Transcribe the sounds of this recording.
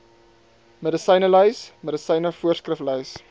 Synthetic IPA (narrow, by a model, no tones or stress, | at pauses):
mədəsəjnəlœɥsmədəsəjnəfuərskrəflœɥs